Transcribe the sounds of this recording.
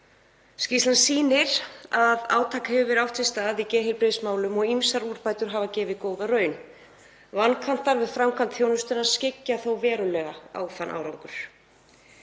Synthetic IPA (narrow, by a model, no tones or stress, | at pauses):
scist̪ansiːnɪɾ̥aða̰ːwt̪ʰaːkḁhɛvʏvɛɾawht̪ʰɪst̪aːðicɛːɦɪɾpɾɪːsmaːwlʏmɔɣimsaɾuɾ̥paːjt̪ʏɾ̥ɦaːvacɛːvɪðkoːwðarœːɥn | vankʰvam̥t̪aɾvɪðfɾamkʰant̪θjoːwnʏst̪ʏnaðscɪcːaθowvɛːɾʏlɛɣaa̰ːwθanʔa̰ːwɾawŋkʏɾ̥